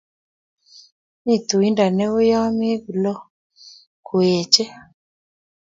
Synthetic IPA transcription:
ni˦˨tu˨i˦nda˨nɛ˦o˦ja˦me˦ɡu˨lɔ˦ | kʰo˨ɛ˨t͡ʃɛ˦

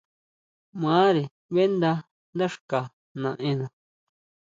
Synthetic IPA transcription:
mãː˨˦ɾe˨ | βe˦nd̪a˧ | nd̪a˦ʂka˨ | nã˨ʔẽ˦nã˨

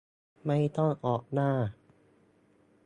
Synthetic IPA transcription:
ma˥˩jt̪ɔ˥˩ŋʔɔː˨˩k̚naː˥˩

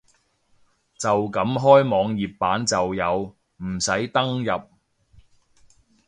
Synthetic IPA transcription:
t͡sɐ˨wkɐ˨˥mɦɔː˥jmɔː˨˧ŋjiː˨pːaː˨˥nt͡sɐ˨wjɐ˨˧w | m̩˨˩sɐ˨˥jt̪ɐ˥ŋjɐ˨p̚

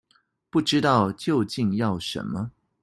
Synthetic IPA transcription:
pu˥˩ʈ͡ʂɻ̩˥t̪ɑ˥˧ʊt͡ɕjo˥˧ʊt͡ɕi˥˧ŋjɑ˥˩ʊʂə̰˧˥nmə˦

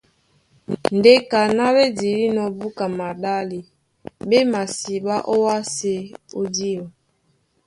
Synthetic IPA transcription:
n̩˨de˦ka˨na˦βe˦di˨ɾi˦nɔ˨bu˦ka˨ma˨da˦li˨ | be˦ma˨si˨ba˦ʔo˦wa˦se˦o˦di˦ɔ˨

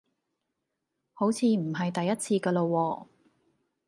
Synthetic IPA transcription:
ho˨˥wt͡sʰiː˧m̩˨˩ɦɐ˨jt̪ɐ˨jːɐ˥t̚t͡sʰiː˧kɐː˧lo˧wɔː˧

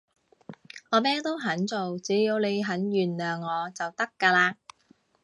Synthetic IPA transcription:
ŋɔː˨˧mɛː˥t̪o˥wɦɐ˨˥nt͡so˨wt͡siː˨˥jiː˨˧wne˨˧jɦɐ˨˥nɥyː˨˩nlœː˨ŋːɔː˨˧t͡sɐ˨wt̪ɐ˥kːaː˧laː˧

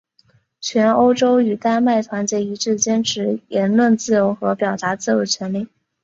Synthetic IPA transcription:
t͡ɕʰɥɛ˧˥no˥ʊʈ͡ʂo˥ʊy˨˩t̪a˥˧nma˥˩ɪt̪ʰwa˧˥nt͡ɕjɛ˧˥i˧˥ʈ͡ʂɻ̩˥˩t͡ɕjɛ˥nʈ͡ʂʰɻ̩˧˥jɛ˧˥nlwə˥˧nt͡sɹ̩˥˩jo˧˥ʊxɤ˧˥pjɑ˨˩ʊt̪a˧˥t͡sɹ̩˥˩jo˧˥t͡ɕʰɥɛ˧˥nli˥˩

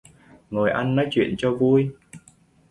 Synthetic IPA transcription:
ŋo˨˩jʔa˧nːɔ˨˦jt͡ɕwḭ˧˨ənt͡ɕɔ˧vu˧j

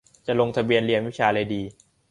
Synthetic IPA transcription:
t͡ɕa˨lo˧ŋt̪ʰa˧bi˧ənli˧ənwi˦˥t͡ɕʰaː˧lɤː˧jdiː˧

